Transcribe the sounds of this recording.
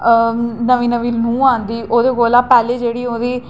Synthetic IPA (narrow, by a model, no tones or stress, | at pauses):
nəʋĩːnəʋiːnũːãːnd̪iːʔoːd̪eːkoːlãːpɛːleːd͡ʒeːɽiːoːd̪iː